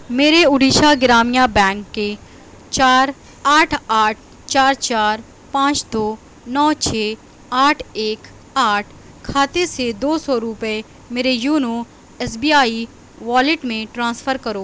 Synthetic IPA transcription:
meːɾeʊɖiːʃaɡɪɾaːmijabɛ̃ːŋkːe | t͡ʃaːɾ | aːʈʰaːʈʰ | t͡ʃaːɾt͡ʃaːɾ | pãːt͡ʃd̪oː | nɔːt͡ʃʰeː | aːʈʰeːk | aːʈʰ | kʰaːt̪esed̪oːsɔɾupe | meːɾejuːno | esbiːaːi | ʋaːlɪʈmẽʈɾãːsfʰəɾkɐɾoː

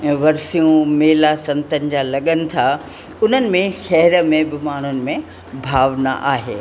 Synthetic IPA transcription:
ʋɐɾsijũmeːlasɐ̃nt̪ənɪ̆d͡ʑalɐɠənɪ̆t̪ʰa | ʊn̤ənɪ̆mẽʃɛɦɾə̆mẽbɪmaːɳ̤ʊnɪ̆mẽ | bʱaːʋna̰ʔaːɦeː

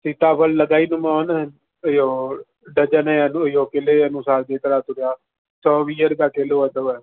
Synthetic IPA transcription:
siːt̪aːpʰəlːəɡaːiːnʊmaːn | joː | ɖəd͡ʒənɛnujoːkɪleːənũːsaːld͡ʒeːt̪əɾaːt̪ʊɾjaː | sɔːʋiːəɾkaːkeloːəd̪əːɛː

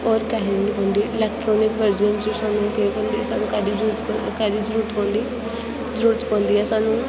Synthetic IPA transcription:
ɔːɾkɛɦnɦɔ̃ːnd̪iːʔɪlɛːk̚ʈɾɔːnɪkʋəɾd͡ʒənd͡ʒõːsaːnũːkəopõnd̪isaːnũːkɛːd̪iːd͡ʒuzkɛːd̪iːd͡ʒəɾuːɾət̪ʰpɔ̃ːnd̪i | d͡ʒəɾuːɾət̪pɔ̃ːnd̪iːɛːsaːnũː

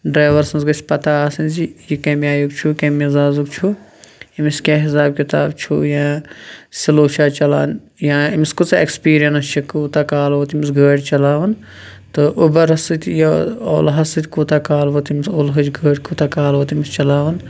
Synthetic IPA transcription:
ɖɾaːʋɐɾsɐnzɡɐsʲpɐt̪aːsɐnzijikɐ̃ːmiaːjukt͡ʃʰukɐ̃mizaːzukt͡ʃʰuimiskʲaːɦisaːb̚kit̪aːbt͡ʃʰṵjãːsʲiloːʃʰaːt͡ʃɐla̰ːn | jãːimiskut͡sekspiːɾijɐnɐst͡ʃʰikuːt̪akaːlʋot̪imisɡʱəːɽʲt͡ʃɐlaːʋɐn | t̪ɨʔubɐɾɐsɨt̪ʲjio̰ːlɦɐsɨt̪ʲkuːt̪akaːlʋot̪imsolɦɐd͡ʒɡʱəːɽʲkuːt̪aːkaːlʋoːt̪imist͡ʃɐlaːʋɐn

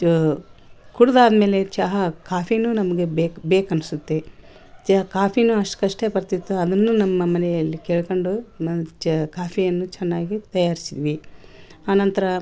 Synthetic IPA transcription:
kuɽɐd̪aːd̪ɐme̞ːle̞t͡ʃɐɦɐkaːpʰinunɐmɐɡe̞bekbeːkɐnusut̪ːe | t͡ʃɐkaːpʰinuɐʂʈɐ̥kɐʂʈeːpɐɾt̪it̪ːuɐd̪ɐnːunɐmːɐmɐnɛjɐlːikeːɭkoɳɖut͡ʃkaːpʰijɐnːut͡ʃɛnːaːɡit̪ɐjaːɾisid̪iʋi | aːnɐnt̪ɐɾɐ

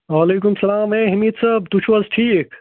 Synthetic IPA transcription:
ʋaːleːk̬ʊmsɐlaːmẽːɦɐmiːt̪saːb̚t̪ʊt͡ʃʰʋɐzʈʰiːk

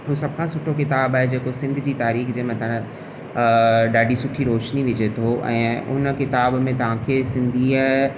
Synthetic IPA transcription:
ɦusɐb̚kʰãsʊʈʰokɪt̪aːbaːɦed͡ʑeːkosɪ̃nd̪ʱd͡ʑiːt̪aːɾiːxd͡ʑeːmɐ̃t̪ʰã | ɖaːɖʱisʊʈʰiɾoːʃniʋɪd͡ʑet̪ʰoʔɛ̰̃ːʊ̰nkɪt̪aːbmẽt̪ɐʋ̤ãkʰeːsɪ̃nd̪ʱia

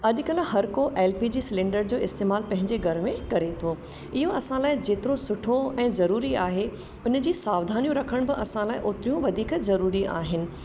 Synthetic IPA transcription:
ɐɗkɐlhɦɐɾkoʔɛːlpiːd͡ʑiːsɪlẽːɳɖəɾd͡ʑoːɪst̪eːmaːlpɐ̃ɦɪ̃ɲd͡ʑeɡʱɐɾmẽkɐɾet̪ʰoː | ɪɦoɐsãlaːɪd͡ʑeːt̪ɪɾosʊʈʰoɛ̃ːzɐɾuːɾiaːɦe | ʊn̆d͡ʑiːsaːʋd̪ʱaːnijũɾɐkʰəɽ̃bɪʔɐsãlaːɪʔʊt̪ɪɾjũʋɐd̪ʱiːkzɐɾuːɾiʔa̰ːɦɪnɪ̆

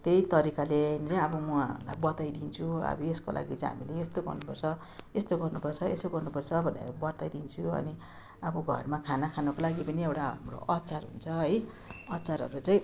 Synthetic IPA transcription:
t̪ejt̪ʌɾikalent͡sʌʌbʌmʌla̰jbʌt̪ajd̪int͡sʰuʌ̰bʌeskolʔa̰ɡit͡saĩɦa̰mileest̪oɡʌ̰rnupʌrt͡sʰʌ | est̪oɡʌrnupʌrt͡sʰʌesoɡʌrnupʌrt͡sʰʌbʱʌnḛɾbʌɾt̪ajd̪int͡sʰuʌ̰ni | ʌbʌɡʱʌ̰rmakʰanakʰanʌkolaɡipʌniewʈaɦa̰mro̰ʔʌtt͡sarɦṵnt͡sʰʌɦʌj | ʌtːt͡saɾʌ̰ɾut͡saĩ

